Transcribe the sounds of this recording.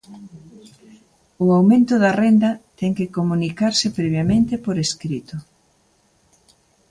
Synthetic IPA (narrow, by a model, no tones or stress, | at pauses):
ʊawmẽnt̪ʊðɐrend̪ɐt̪ɛŋkɪkomunikaɾsɪpɾeβjamẽnt̪ɪpoɾeskɾit̪ʊ